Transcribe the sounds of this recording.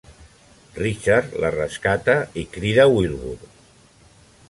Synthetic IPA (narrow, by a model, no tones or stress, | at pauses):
rit͡ʃaɾlərəskat̪əikɾiðəwilˠβṵɾ